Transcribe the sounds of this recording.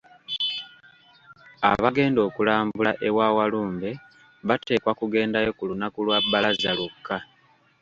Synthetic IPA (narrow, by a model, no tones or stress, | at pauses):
a̰βaɡe̞ːndo̞ːkulaːmbbulaʔewaːwaluːmbe̞ | βate̞ːkwakuɡe̞ːndajo̞kulunakulwabːalazalukːa